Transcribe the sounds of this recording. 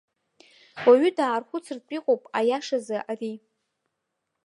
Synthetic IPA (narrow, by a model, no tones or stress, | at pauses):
waɥʏdaːrχʷʊt͡sʰɨrt͡pʼiqʼowpʼajaʂazɨʔari